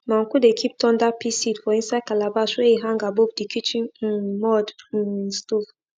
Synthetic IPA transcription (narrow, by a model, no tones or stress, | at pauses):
mãŋ̩kudekʰip̚tʰɔ̃ndapʰisidfɔĩnsaɪd̚kalabaswɛiɦãŋɡabovdikʰit͡ʃĩnmɔdnstuv